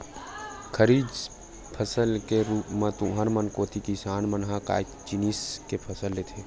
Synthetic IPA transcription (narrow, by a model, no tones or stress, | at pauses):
kʰəɾiːd͡ʒ | pʰəsəlkeɾuːpmẽt̪ʊ̃ɦəɾmɐnkoːt̪ʰikisaːnmənɦaka̰ːj | d͡ʒiniːskepʰəsəlːeːt̪ʰeː